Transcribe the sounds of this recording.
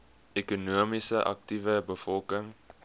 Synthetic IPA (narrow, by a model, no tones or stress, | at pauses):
ekunuəmisəʔɐ̰k̚tivəbəfɔlˠkəŋ